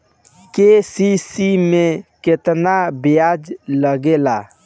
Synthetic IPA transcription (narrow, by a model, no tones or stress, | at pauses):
kesisimeket̪nabejad͡ʒləɡela